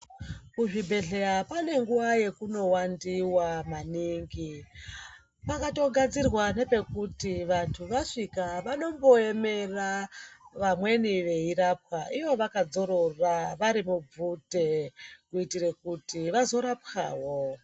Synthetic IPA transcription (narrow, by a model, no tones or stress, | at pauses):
kuʐibʱe̞ɮe̞ɾapane̞ŋɡuʋaje̞kuno̞wandiwamaniːŋɡi | pakato̞ɡʱad͡zirwane̞pe̞kutiʋantʰuʋaʂikaʋano̞mbo̞e̞me̞raʋamwe̞niʋe̞irap̚xaʔiʋo̞ʋakad͡zo̞ɾo̞raʋaɾimub͡vute̞kuitirekutiʋazo̞ɾapxaːwo̞